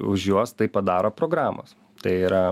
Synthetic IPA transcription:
ʊʒjuɔst̪ɐɪpɐd̪ɑːɾoːpɾoːɡɾɑːmo̰s | t̪ɐɪiːɾɐ

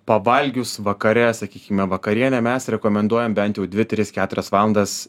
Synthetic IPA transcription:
pɐʋɐlʲɡʲʊsʋɐkɐɾʲɛsɐkʲiːkʲɪmʲɛʋɐkɐɾʲiɛnʲɛmʲɛsɾʲɛkoːmʲɛnd̪uɔjɛmbʲɛnt̪jɛʊd̪ʲʋʲɪt̪ʲɾʲɪskʲæːt̪ʊɾʲɛsʋɑːlˠɐnd̪ɐs

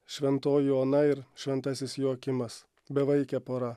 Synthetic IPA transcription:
ʃʲʋʲɛnt̪oːjoːnɐɪɾʃʲʋʲɛnt̪ɐsʲɪsjoːkʲɪmɐs | bʲɛʋɐɪkʲɛpoːɾɐ

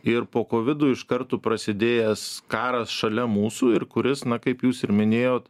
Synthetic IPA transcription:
ɪɾpoːkoːʋʲɪd̪uːɪʃkɐrt̪uːpɾɐsʲɪd̪ʲeːjɛskɑːɾɐsʃɐlʲɛmuːsuːɪɾkʊɾʲɪsnɐkɐɪpjuːsɪɾmʲɪnʲeːjoːt̪

